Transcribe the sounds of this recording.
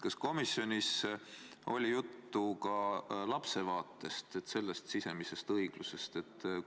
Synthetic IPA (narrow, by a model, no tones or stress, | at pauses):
kɑsko̞misːjo̞nʲis | o̞̰lʲijut̪ːukɑlɑpse̞vɑːt̪ːˑe̞st̪et̪ːse̞lːest̪sise̞mise̞st̪ɤiɡ̥luse̞st̪e̞t̪ːˑ